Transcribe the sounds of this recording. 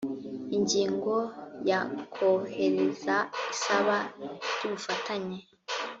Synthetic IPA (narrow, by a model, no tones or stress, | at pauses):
iɲɟiːŋɡo̞jakʰohe̞ɾezaisaβaɾɟuβufataɲe